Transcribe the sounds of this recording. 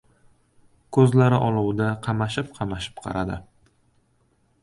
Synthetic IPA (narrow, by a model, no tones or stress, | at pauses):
kʰɵzlaɾɪʔɒlˠuwd̪aqʰɑmaʃɪp̚qʰɑmaʃɪ̥pqʰɑ̰ɾad̪ɪ̰